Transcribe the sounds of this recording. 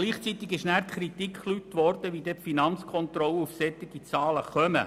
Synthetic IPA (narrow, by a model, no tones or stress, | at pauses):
liːχt͡sit̪ɪɡɪʃnæːɾkχɾit̪ikʰχlyt̪ʋɔrd̥̪əʋiːd̥̪ɛpfinɑnt͡skʰɔnt̪ɾɔləufsɛt̪ːɪɡ̥it͡sɑːləχœmə̰